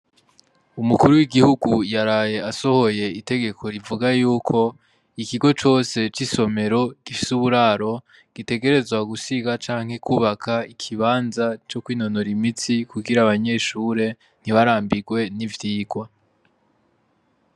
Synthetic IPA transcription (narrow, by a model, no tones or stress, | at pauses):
umukuɾuwiɡihuɡujaɾaːje̞aso̞ho̞je̞ite̞ɡe̞kʰo̞ɾivuɡajuːkʰo̞ | ikiɡo̞t͡ʃo̞ːse̞t͡ʃiso̞me̞ɾo̞ɡ̥ifi̥suβuɾaːɾo̞ | ɡ̥ite̞ɡe̞ɾe̞zwaɡusiɡat͡ʃaːŋ̥he̞kʰuːβakʰaikʰiβaːnzat͡ʃo̞kwiːno̞noɾimit͡sikuɡiɾaβaɲe̞ʃuːɾe̞ | n̥iβaɾaːmbiɡwe̞nivjiːɡwa